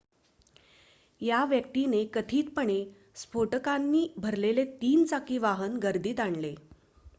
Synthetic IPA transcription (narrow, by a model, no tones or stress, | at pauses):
jaʋjək̚t̪inekət̪ʰiːt̪pəɳe | spoʈəkanːiːbʱəɾlelet̪iːnt͡sakiːʋaɦənɡəɾd̪iːt̪aɳle